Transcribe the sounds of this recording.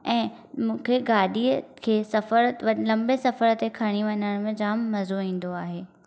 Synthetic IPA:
ɛ̃ː | mũːkʰeɡaːɗiːəkʰeːsɐfəɾʋɐlɐ̃mbesɐfəɾət̪ekʰɐɽ̃iʋɐnəɽ̃mẽd͡ʑaːmːɐzoĩːn̆d̪oaːɦeː

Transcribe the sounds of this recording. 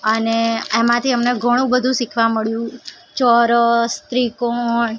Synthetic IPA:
əneemãt̪ʰiəmneɡʱəɽ̃ũbəd̪ʱũsikʰʋaməɭjũ | t͡ʃɔɾəst̪ɾikoɳ

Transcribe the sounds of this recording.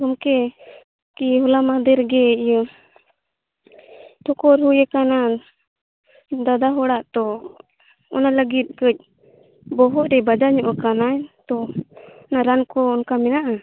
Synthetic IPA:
ɔmkɛ | kiɦɔlamad̪ɛɾɡɛ | ʈʰɔkɔɾɦujɛkana | d̪ad̪aɦɔɽaʔt̪ɔ | ɔ̰naləɡit̪̚ˀkəc̚ˀ | bɔɦɔt̪ɾɛbad͡ʒaɲɔʔɔkanajt̪ɔɔnaɾankɔːnkamɛnaʔa

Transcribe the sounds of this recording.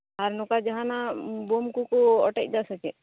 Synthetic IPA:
aɾnɔkad͡ʒaɦãnabomkukɔɔʈɛ̰c̚ˀd̪asɛt͡ʃɛ

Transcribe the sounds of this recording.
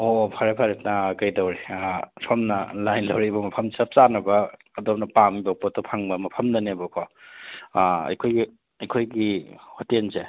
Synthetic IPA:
opʰaɾepʰaɾetnaːkajdawɾeapʰɔmnɐlajnlɐwɾibɐmɐpʰɐmsɐp̚sanɐbɐː | dɔp̚nɐpamibapɔtɔpʰaŋbɐmɐpʰɐmnɐnebɔkʰɔ | ɐ̰jkʰojɡi | ɐjkʰojɡihotense

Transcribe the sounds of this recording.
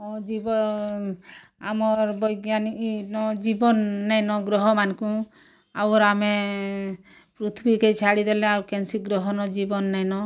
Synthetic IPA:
ɔd͡ʒibɔ | amɔɾbɔjɡjaniknɔd͡ʒibɔnːɛjnɔɡɾɔɦɔmankũ | awɾame | pɾut̪ʰbikejt͡ʃʰaɽid̪eleawɾkɛnsiɡɾɔɦɔnɔd͡ʒibɔnːɛjnɔ

